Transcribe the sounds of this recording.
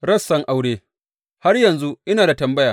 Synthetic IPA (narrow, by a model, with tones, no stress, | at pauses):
ɾɐ˦sːɐ˦ŋʔa˨wɽeː˦ | ha˦rjɐ˨nzu˦ʔɪ˦naː˨da˨tɐ˨mbɐ˦jaː˨